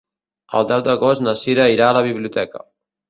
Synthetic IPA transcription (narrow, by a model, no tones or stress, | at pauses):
ə̰lˠd̪ɛwd̪əɣost̪nəsiɾəiɾaːləβ̞iβ̞liut̪ɛkə̰